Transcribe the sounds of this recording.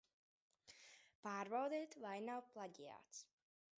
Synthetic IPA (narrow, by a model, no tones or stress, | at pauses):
paːɾbawd̪ɛːt̪vajnawplˠaɟija̰ːt̪s